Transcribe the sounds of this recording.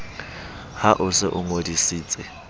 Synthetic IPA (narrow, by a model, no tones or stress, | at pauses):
haʔʊsɪ̰ʔʊŋodisiːt͡sʼɪ